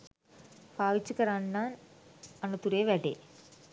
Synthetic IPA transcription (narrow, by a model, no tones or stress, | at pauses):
paːʋit͡ɕːukɐɾaːɳnaːnɐnːɐt̪uɾeːʋeʈḛ